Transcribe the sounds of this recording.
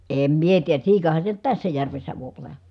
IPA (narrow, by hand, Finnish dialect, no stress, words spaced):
eˑm mie tiːjæ siːkɑhɑn se nyt tæsːæ jærʋesːæ ʋˑoip olˑɑ